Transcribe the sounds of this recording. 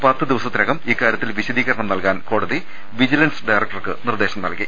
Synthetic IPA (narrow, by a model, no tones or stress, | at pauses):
pɐt̪ːɨd̪iʋɐsɐt̪ːinɐɣɐmiːkːaːɾjɐt̪ːilʋiɕɐd̪iːɣɐɾɐɳɐmnɐlkaːnko̞ːɽɐði | ʋid͡ʑilɐnsɖɐjrɐk̚ʈɐrkɨnird̪e̞ːɕɐmnɐ̰lki